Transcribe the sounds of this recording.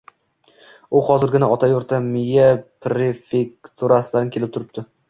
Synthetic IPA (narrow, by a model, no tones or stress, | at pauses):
ʊhɒzɪɾɡʲɪnaɒt̪ʰajoɾt̪ʰamɪjapɾefekt̪ʰuɾasɪlaɪnkʲʰe̞lɪp̚t̪ʰʊɾɪp̚t̪ʰɪ